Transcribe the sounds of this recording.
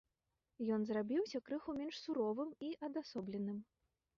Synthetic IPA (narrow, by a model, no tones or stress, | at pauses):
jɔnzrabʲiwsʲɐkɾɨxumʲɛnʂsuɾɔvɨmiʔɐd̪asɔblʲɛnɨm